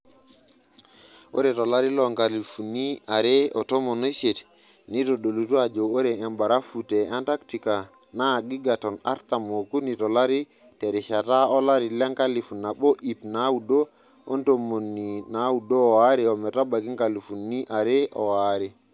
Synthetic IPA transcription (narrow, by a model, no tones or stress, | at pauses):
ʔo̰ɾɛtɔlaɾilɔŋkalifuniaɾɛɔtɔmɔnoset | nitɔɗolutuad͡ʒɔoɾɛɛmbaɾafutɛantaktika | naɡiɡatɔna̰ɾtamokunitɔlaɾi | tɛɾiʃataɔlaɾilɛŋkalifunːabɔʔipnawudɔ | ɔntomːonːinawudɔwaɾiɔmɛtabakiŋkalifunːiʔaɾɛʔɔ̰waɾi